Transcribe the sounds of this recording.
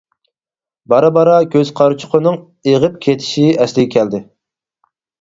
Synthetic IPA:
bɑɾɑbɑɾɑɡʲøz̥qʰɑɾt͡ʃʰʊ̥qʰənɨŋ | eʁəp̚kʲʰet̪ʰɪ̥ʃiɛslɪɡʲɛkʲʰɛld̪ɪ

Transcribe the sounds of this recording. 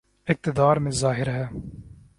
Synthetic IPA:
ɪk̚t̪ɪd̪aːɾmezaːɦɪɾɦɛ

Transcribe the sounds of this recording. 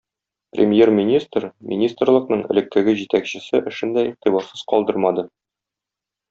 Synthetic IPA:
prʲemʲjermʲinʲist̪rmʲḭnʲist̪rlˠɤ̆qnɤɴɘ̰̆lɘ̆k̚ːɘ̆ɡɘʑit̪ækɕɘ̆sɘʔɘ̆ʃɘ̆nd̪æiq̚t̪ibɑɾsɤz̥qɒlˠd̪ɤɾmɑd̪ɤ

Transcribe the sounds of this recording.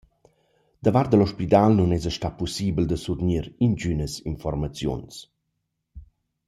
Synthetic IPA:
d̪̥əvaɾt̪̚d̪əlɔʃpit̪alnunɛzəʃtapusiːbəld̪əsut̪niɾint͡ʃynəsinfɔrmat͡sjṵns

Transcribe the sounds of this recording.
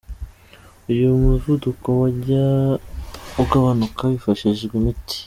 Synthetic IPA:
ujumuzudukowaɟa | uɡaβanukaβifaʃiʒɡɡwemiti̥

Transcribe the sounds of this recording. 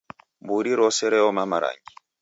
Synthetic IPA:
buɾiɾɔsɛɾɛɔmamaɾa̰ŋɡi

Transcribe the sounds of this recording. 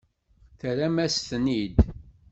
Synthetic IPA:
θəɾæmæsθnid̪

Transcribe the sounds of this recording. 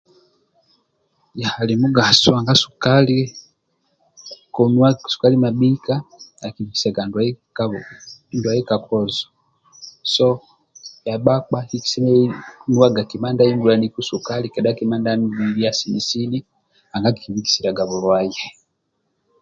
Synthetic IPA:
jahalimuɡasoaŋɡasu̥kali | konasu̥kalimabikakiβiki̥saɡandakandwajekakozo̥ | so | jaβak͡pakiki̥senwaɡakimandainɡulanikusukalikedakimaːndambiβijasinisini | aŋɡakikiβiki̥siɾaɡaβulwaje

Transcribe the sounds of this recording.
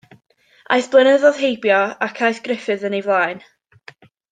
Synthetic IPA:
ʔa̰ɨθb̥lˠənəðɔð̥ɦejbjɔakʰajθɡ̥rɪfɨðənevlˠaːɨn

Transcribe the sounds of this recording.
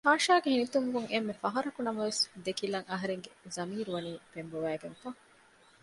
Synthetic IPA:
haːʃaːɡehinit̪uŋɡuŋemːefɐɦɐɾɐkunɐmɐʋesd̪ekilɐŋɐɦɐɾeŋɡezɐmiːɾuʋɐniːpembuʋæːɡeŋfɐ

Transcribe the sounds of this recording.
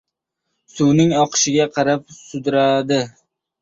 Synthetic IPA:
sʊwnɪŋɒqʰɨ̥ʃɪɡʲaqʰɑɾap̚sʊd̪ɪɾad̪ɪ

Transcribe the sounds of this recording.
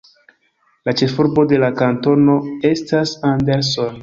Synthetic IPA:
lat͡ʃe̞fuɾbo̞de̞lakanto̞no̞e̞stasande̞ɾso̞n

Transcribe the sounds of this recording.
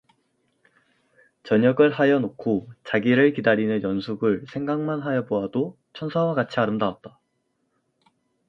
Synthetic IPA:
t͡ɕʌɲʌɡɯɭɦajʌnokʰot͡ɕaɡiɾɯɭkidaɾinɯnjʌnsʰuɡɯɭsʰe̞ŋɡaŋmanɦajʌboado | t͡ɕʰʌnsʰawakat͡ɕʰiaɾɯmdawat̚t͈a

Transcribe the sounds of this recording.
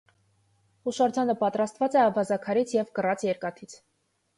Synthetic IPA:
huʃɑɾd͡ʒɑnəpɑt̪ɾɑst̪vɑt͡sɛɑvɑzɑkʰɑɾit͡sʰjɛvkərɑt͡sjɛɾkɑt̪ʰit͡sʰ

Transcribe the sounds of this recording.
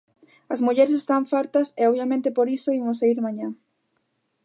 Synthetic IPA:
ɐzmuʎɛɾesest̪aɱfaɾt̪ɐseɔβjamẽnt̪ɪpoɾisoimʊsaiɾmaɲa

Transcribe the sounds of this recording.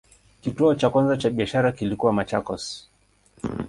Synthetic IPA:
kituɔt͡ʃakwanzat͡ʃaɓiaʃaɾakilikuwamat͡ʃakɔs

